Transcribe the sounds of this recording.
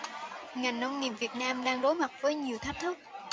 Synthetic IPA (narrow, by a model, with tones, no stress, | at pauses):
ŋa˨˩jŋ̟nə˧wŋ͡mŋi˨˩əp̚vi˨˩ət̚naː˧mɗaː˧ŋɗo˨˦jma˨˩t̚vəː˨˦jɲi˨˩əwt̪ʰa˦˥jk̚t̪ʰɨ˦˥k̚